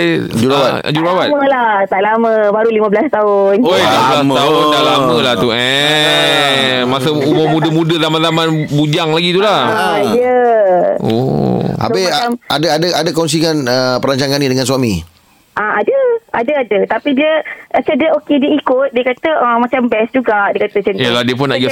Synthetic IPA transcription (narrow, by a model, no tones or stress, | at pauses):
d͡ʒuabat̪ | d͡ʒuɾabaməlaht̪aʔlamə̃baɾulimãbəlast̪aʊnolamaʊd̪aʔlamə̃laht̪uɛ | masaumʊmudəmudəzamanzaman | bud͡ʒaŋlaɡit̪ulaa | ə | o̰a̰sbemadaadaʔadakɔns̬ikanəpəɾaɲt͡ʃaŋanidəŋansuami | ʔaadəʔadəadət̪apidiəʔasədiəokediəikʊt̪̚diəkat̪əʔəmat͡ʃambɛsd͡ʒuɡaʔdiəkat̪ət͡ʃənjaladiəp̬ʊnaɡa